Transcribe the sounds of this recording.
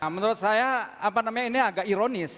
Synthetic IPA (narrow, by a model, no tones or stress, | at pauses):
mənuɾʊt̪̚sajaapanamaɲainiaɡaʔiɾonɪs